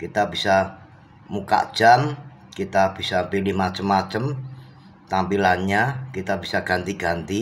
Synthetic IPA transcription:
kit̪abisa | muka̰̥d͡ʒ̥an | kit̪ab̥isapilɪhmat͡ʃəmːat͡ʃəm | t̪ampilanɲakit̪ab̥isaɡ̥ant̪iɡ̥ant̪i

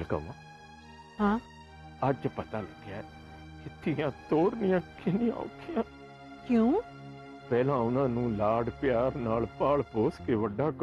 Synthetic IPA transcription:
lkə̰ma | ɦãː | əd͡ʒpət̪aːləɡjaːɛ | kɪt̪ʰːɪjãːt̪oːɾnɪjãːkɪnĩːa̰okɪjãː | kjõː | pɛːlãːʊnãːnũːlaːɽpɪjaːɾnaːlpaːɭpoːskeːʋəɖːaːk

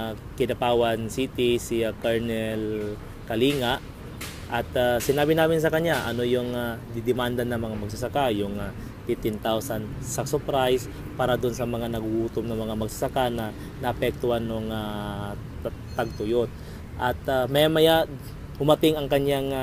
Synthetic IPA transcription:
kɪnɐpaːwɐnsiːt̪ɪsiakɛɹnɛl | kɐliːŋaʔ | ʔɐt̪asɪnaːbɪnaːmɪns̬ɐkɐɲjaʔɐno̞jʊŋad̪ɪd̪ɪmand̪ɐnɐŋmɐŋamɐɡ̚s̬asakajʊŋa | fɪft̪ːɪnt̪awsan | sɐsʊpɾajs | paːɾɐd̪ʊnsɐmɐŋanɐɡʔuːt̪omnɐmɐŋamɐɡ̚sḁsakanɐ | nɐʔːpɛk̚t̪ʊhanːoŋa | t̪aɡ̚t̪ojon | ʔɐt̪amajamɐja | hʊmɐt̪ɪŋɐŋkɐɲjaŋ

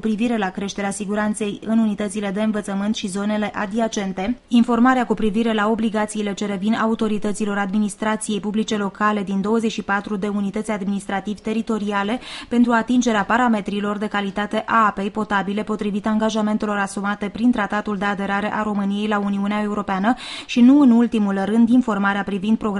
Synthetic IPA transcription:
upɾiviɾe̞lakɾe̞ʃt̪e̞ɾeasiɡuɾant̪se̞jɨnunit̪ət̪sile̞d̪e̞ɨnvət̪səmɨnt̪ʃizo̞ne̞le̞ʔad̪iat͡ʃe̞nt̪e̞info̞rmaɾeakupɾiviɾe̞lao̞bliɡat̪siːle̞t͡ʃe̞ɾe̞vinaut̪o̞ɾit̪ət̪silo̞ɾad̪minist̪ɾat̪sije̞jpublit͡ʃe̞lo̞kale̞d̪ind̪o̞wəze̞t͡ʃʃipat̪ɾud̪e̞unit̪ət̪sʲad̪minist̪ɾat̪ivt̪e̞ɾit̪o̞ɾiale̞pe̞nt̪ɾuat̪ind͡ʒe̞ɾeapaɾame̞t̪ɾilo̞rd̪e̞kalit̪at̪e̞ʔaape̞jpo̞t̪abile̞po̞t̪ɾivit̪aŋɡaʒame̞nt̪e̞lo̞ɾasumat̪e̞pɾint̪ɾat̪at̪uld̪e̞ad̪e̞ɾaɾe̞ʔaɾo̞mɨnije̞jlauniuneae̞uɾo̞peanəʃinuɨnult̪imulrɨnd̪info̞rmaɾeapɾivind̪̚pɾo̞ɡ

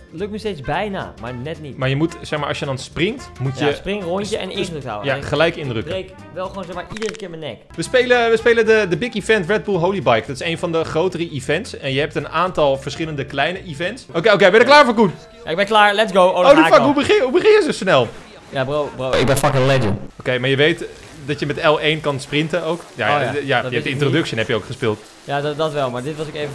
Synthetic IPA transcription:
løk̚nəsteːt͡sbɛjna̰maɹnɛtnitmaɹjəmutsɛxmaːʔɑsjədɔnsprɪŋktmutjəsprɪŋronjəɛ̰nɪndrøktha̰wəjaχəlɛjkɪndrøkrek | ʋɛlˠxʋoːnzɛxmaːɹidərəkɪːɹmənɛkʋəspejləʋəspeːlədədəbɪkifɛntrɛd̚bulˠɦowlibajk̚dɔtɪ̥sejnfɔndəχrowtərəʔifɛntsɛnjəɦɛp̚tənaːntɔlˠfəɹsχɪlˠəndəklɛjnəʔivɛntsokeokejbɛnəklaːɹfɔkun | jaɪɡ̚bɛnklaːɹlɛtsɡowoofakhubəɪɦubəχɪnjəsosnɛlˠ | jaboboɪ̰ɡ̚bɛnfakənlɛd͡ʒənokejmaɹjəʋejt | dɔtjəmɛtɛlˠejnkɑnsprɪntəowkja̰jjəajɛp̚tɪ̃ntrodɵksjənɦɛpjəowkχəspɪːlˠt | jaddɔtʋɛlˠmaɹdɪtʋɑsokevə

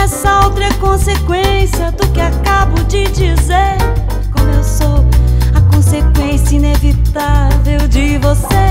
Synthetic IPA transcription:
ɛsɐowt̪ɾɐkõsekwẽsiɐd̪ʊkɪakabʊd͡ʒɪd͡ʒizeɾ | kwɐ̃nd̪ʊewsowɐkõsekwẽsjɐinevit̪avewd͡ʒɪvose

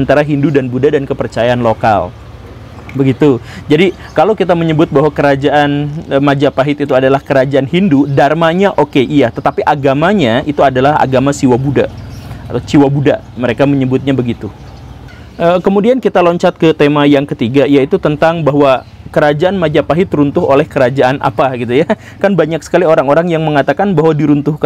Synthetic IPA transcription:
ant̪aɾaɦindudanbudadankəpərt͡ʃajaanloka̰l | bəɡit̪ud͡ʒadi | kalawkit̪aməɲəbʊt̪̚baɦwakəɾad͡ʒaʔanəmad͡ʒapaɦɪt̪it̪uadalahkəɾad͡ʒaanhindudarmaɲaʔokeʔijat̪ət̪apiʔaɡamaɲait̪uadalaɦa̰ɡamasiwabuda̰ʔat̪awt͡ʃiwabudaʔməɾekaməɲəbʊt̪̚ɲabəɡit̪u | ʔəkəmudiankit̪aloɲt͡ʃat̪̚kət̪emajaŋkət̪iɡajait̪ut̪ənt̪aŋbaɦwakəɾad͡ʒaʔanmad͡ʒapaɦɪt̪ɾunt̪ʊɦolɛhkəɾad͡ʒaanʔa̰paɡit̪̬uja | kanbaɲaksə̥kalioɾaŋoɾaŋjaŋməŋat̪akanbaɦwadiɾunt̪uhk

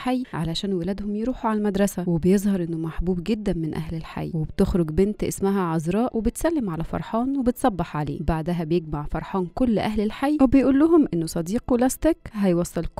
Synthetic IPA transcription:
ħajːʕalæʃæːnwelæːd̪homjɾuːħuʕalælmæd̪ɾˤɑsæwebejezˤhɑɾˤʔenːomaħbuːbɡed̪ːæmenʔæ̰hlelħa̰jːwebt̪exɾoɡbent̪ʔḛsmæɦæʕɑzɾˤɑːʔwʔebet̪sælːemʕalæfɑ̰ɾˤħɑːnwebet̪sˤɑbːɑħʕalḛːbaʕd̪æɦæbejeɡmaʕfɑɾˤħɑːnkolːʔæhlelħajːwebejʔuːlːʊɦomʔenːosˤɑd̪iːqlɑst̪ekɦæjwɑsˤːɑlk

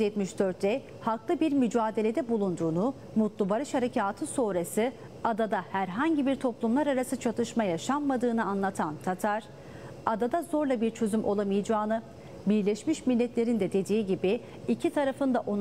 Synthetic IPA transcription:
yzjɛt̪miʃd̪øɾt̪ːɛ | haklˠɯbiɾmyd͡ʒaːd̪e̞lʲe̞d̪ɛbulˠund̪uːnu | mut̪lˠubaɾɯʃhaɾecʰaːt̪ʰɯsoːɾasɯ | ad̪ad̪ahæɾɦaɲɟibiɾt̪ʰo̞plˠumlˠaɾaɾasɯt͡ʃʰat̪ʰɯʃmajaʃammːad̪ɯːnɯanlˠat̪ʰant̪ʰat̪ʰaɾ̥ | ad̪ad̪azo̞ɾlˠabiɾt͡ʃʰø̞zymʔo̞̰lˠamɯjd͡ʒaːnɯ | biɾlʲɛʃmiʃmilʲːɛt̪lʲe̞ɾind̪ɛd̪e̞d̪iːɟibiː | cʰit̪ʰaɾafɯnd̪aʔon

